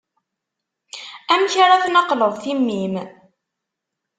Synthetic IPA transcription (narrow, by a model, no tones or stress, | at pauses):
æmçaɾaθnɑqləðˤθimːim